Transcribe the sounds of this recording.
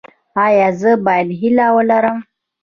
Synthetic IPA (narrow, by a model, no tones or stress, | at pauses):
ajazəbajnɦilawəlaɾam